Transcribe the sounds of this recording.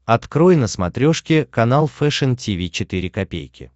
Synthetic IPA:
ɐt̪kɾojɪnəsmɐt̪ɾʲoʂkʲɪkɐnalˠfɛʂɨntʲivʲit͡ɕɪt̪iɾʲɪkɐpʲḛjkʲɪ̰

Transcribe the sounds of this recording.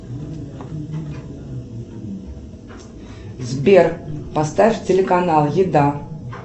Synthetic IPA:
zbʲerpɐst̪afʲtʲɪlʲɪkɐnalˠjɪd̪a

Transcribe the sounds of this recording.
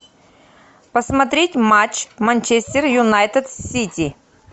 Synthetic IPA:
pəsmɐt̪ɾʲetʲmat͡ɕmɐnʲt͡ɕesʲt̪ʲɪrjʊnajt̪ət̪sʲitʲi

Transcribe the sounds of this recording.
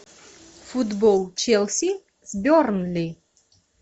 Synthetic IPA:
fud̪bolˠt͡ɕʰelʲˠsʲi | zbʲornlʲi

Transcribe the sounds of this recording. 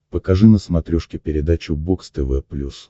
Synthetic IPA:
pəkɐʐɨnəsmɐt̪ɾʲuʂkʲɪpʲɪɾʲɪd̪at͡ɕʊbokst̪ɨvɛpːlʲus

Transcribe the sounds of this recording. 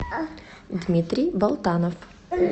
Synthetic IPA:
d̪mʲit̪ɾʲijbɐlˠt̪anɔf

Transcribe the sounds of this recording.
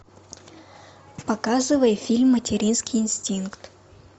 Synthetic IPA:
pɐkazɨvəjəfʲilʲmːətʲɪɾʲinskʲɪjɪnsʲtʲinkt̪

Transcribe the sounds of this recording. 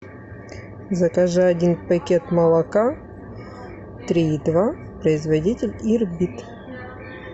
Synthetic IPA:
zɐkɐʐɨɐdʲinpɐkʲet̪mɐlˠɐka | t̪ɾʲiːd̪va | pɾəɪzvɐdʲitʲɪlʲirbʲit̪

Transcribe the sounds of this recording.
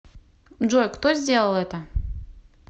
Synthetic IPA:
ʐojkt̪ozʲdʲelˠəlˠɛt̪ə

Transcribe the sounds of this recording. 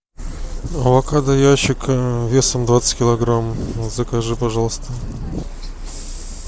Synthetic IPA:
ɐvɐkad̪ɐjaɕɪkvʲesəmd̪vat̪sɨ̥kʲɪlˠɐɡɾamzəkɐʐɨpɐʐɑlˠst̪ə

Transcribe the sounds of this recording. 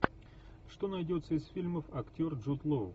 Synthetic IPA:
ʂt̪o̞nɐjdʲo̞t̪səɪsfʲilʲməfɐktʲo̞rʐut̪lˠo

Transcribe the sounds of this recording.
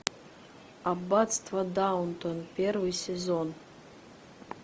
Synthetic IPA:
abatst̪ʰvɐd̪awnt̪ʰʼonpʲervɨjsʲezon

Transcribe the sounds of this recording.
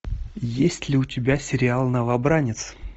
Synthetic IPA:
jesʲtʲlʲɪʊtʲɪbʲasʲɪɾʲɪalˠnəvabɾanʲɪt̪s

